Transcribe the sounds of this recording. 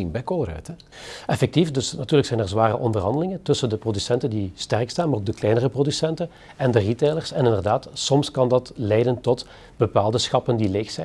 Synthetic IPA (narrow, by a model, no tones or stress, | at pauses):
inbɛjkoːɾœ̰ɥtɛ | ʔɛfɛk̚tifdɵsnɑtyːrləksɛjnɛrzʋaːrəʔɔndərɦɑndəlɪŋəntɵsəndəprodysɛntəndistɛrkstaːnmaroːɡdəklɛjnərəprodysɛntən | ɛndəriteːlərsɛnɪndərdaːtsɔmskɑndɑtlɛjdəntɔt | b̥əpaːlˠdəsxɑpəndileːxsɛ